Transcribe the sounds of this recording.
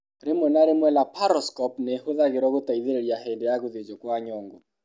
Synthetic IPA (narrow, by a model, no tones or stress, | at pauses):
ɾemwɛnaɾemwɛlapʰaɾɔskɔpnehoðaɣeɾɔɣotaiðeɾeɾjaɦɛdejaɣoðed͡ʒɔkwaɲɔŋɡɔ